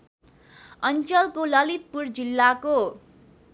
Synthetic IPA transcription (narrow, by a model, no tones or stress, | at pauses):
ʌnt͡sʌlkolʌlit̪̚purd͡zilːako